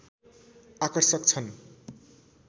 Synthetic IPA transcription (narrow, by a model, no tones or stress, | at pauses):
akʌrsʌk̚t͡sʰʌn